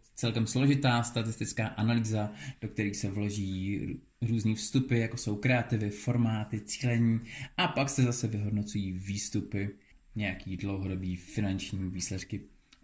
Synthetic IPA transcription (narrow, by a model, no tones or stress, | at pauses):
t͡sɛlkɛmslo̞ʒɪt̪aːst̪at̪ɪst̪ɪt͡skaːʔanaliːzad̥o̞k̚t̪ɛɾiːsɛvlo̞ʒiː | ɾuːzniːfst̪upɪjako̞so̞wkɾɛat̪ɪvɪfo̞ɾmaːt̪ɪt͡si̥ːlɛɲiːʔapaksɛzasɛvɪɦo̞dno̞t͡sujiːviːst̪upɪ | ɲɛjakiːdlowɦo̞do̞biːfɪnant͡ʃɲiːviːslɛt̪kɪ